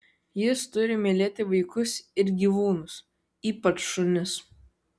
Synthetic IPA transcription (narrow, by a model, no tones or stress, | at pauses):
jɪst̪ʊɾʲɪmʲɪlʲeːt̪ʲɪʋɐɪkʊsɪɾɡʲiːʋuːnʊs | iːpɐt͡ʃʃʊnʲʊs